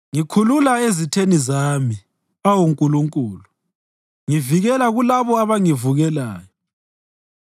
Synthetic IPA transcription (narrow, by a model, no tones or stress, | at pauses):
ŋikʰululaezitʰenizami | awuŋkʼuluŋkʼuːlu | ŋiviɣɛlaɣulaβɔaβaŋivuɣɛla̰ːjɔ